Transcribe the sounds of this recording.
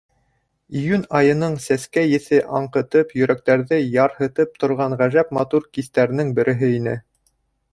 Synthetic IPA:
ijʉnɑjɤ̆nɤɴsæskæjɘ̆θɘʔɑɴqɤ̆t̪ɤpjɵ̆ɾæk̚t̪æɾðɘjɑɾhɤ̆t̪ɤp̚t̪ŏɾʁɑɴʁæʒæpmɑt̪uɾkiθt̪æɾ̆nɘŋbɘ̆ɾʔɘ̆ɦɘinɘ̰

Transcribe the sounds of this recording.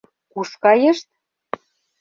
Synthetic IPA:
kuʃkɑjə̆ʃt̪̚

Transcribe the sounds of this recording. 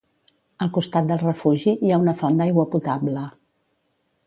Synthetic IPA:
əlˠkust̪at̪̚d̪əlˠrəfuʒiiaunəfɔnd̪ajɣwəput̪ablə

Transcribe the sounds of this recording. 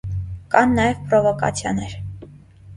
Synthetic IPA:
kɑnːɑjɛvpɾɔvɔkɑ̰t͡sʰjɑ̰nɛɾ

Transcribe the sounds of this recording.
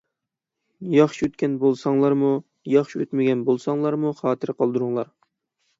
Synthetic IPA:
jɑχʃiøt̪kʲɛnbolˠsɑŋlˠɑɾmu | jɑχʃiøt̪mɪɡʲɛnbolˠsɑŋlˠɑɾmuχɑːt̪ʰɨɾqʰɑlˠd̪uɾuŋlˠɑɾ

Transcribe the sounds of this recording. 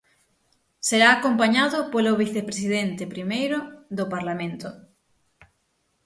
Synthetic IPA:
seɾaːkompaɲaðʊpoloβiθepɾesiðent̪ɪpɾimejɾʊðopaɾlamẽnt̪ʊ

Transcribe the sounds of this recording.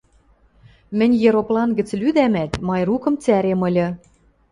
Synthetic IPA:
mɘ̆nʲjeɾoplɑnɡɘ̆t͡slyd̪æmæt̪mɑjrukɤ̆mt͡sæɾemɤ̆lʲɤ̆

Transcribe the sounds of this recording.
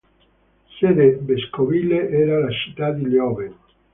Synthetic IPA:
sed̪ebeskovileʔɛːɾalat͡ʃi̥t̪ːad̪iljɔve

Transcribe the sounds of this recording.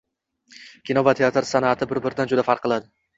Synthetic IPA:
kʲʰinɒvat̪ʰeat̪ɾsanat̪ʰɪbɪɾbɪɾɪd̪and͡ʒʊd̪afaɾqʰːɨlˠad̪ɪ

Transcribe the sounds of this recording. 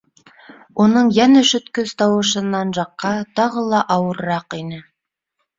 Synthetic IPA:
unɤɴjænɘʃɵ̆t̪kɵz̥t̪ɑwɤ̆ʃɤ̆nːɑnʒɑqːɑt̪ɑʁɤ̆lˠɑʔɑwɤ̆ɾɾɑqinɘ

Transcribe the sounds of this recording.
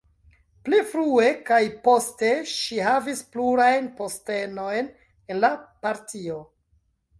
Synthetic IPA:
plifɾue̞kajpo̞ste̞ʃihavispluɾajnpo̞ste̞no̞jn | enlapaɾtio̞

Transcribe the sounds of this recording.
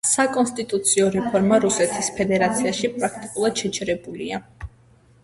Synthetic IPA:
sakʼɔnst̪ʼit̪ʼut̪sʰiɔɾɛpʰɔɾmaɾusɛt̪ʰispʰɛd̪ɛɾat̪sʰiaʃipʼɾak̚ʰt̪ʼikʼulˠad̪̥ʃɛt͡ʃʰɛɾɛbulia

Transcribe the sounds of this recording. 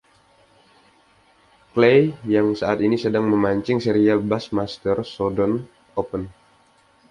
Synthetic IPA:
klejjaŋsaat̪inisədaŋməmaɲt͡ʃɪŋseɾialbasmast̪ərsodɔn | opən

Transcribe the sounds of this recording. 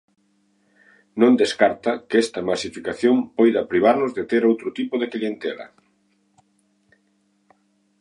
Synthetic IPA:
nõnd̪eskaɾt̪ɐkɛst̪ɐmasifikaθjompojðɐpɾiβ̞aɾnʊzðet̪eɾowt̪ɾot̪ipoð̞eklient̪elɐ̰

